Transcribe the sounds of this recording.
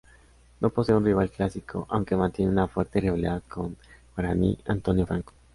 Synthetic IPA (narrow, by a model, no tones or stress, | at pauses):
noposeeunriβ̞alklasikʰo̰ʔawŋkemãnt̪jeneunafweɾt̪eriβaliðaðkʰonbɾanḭant̪onjofɾaŋko̥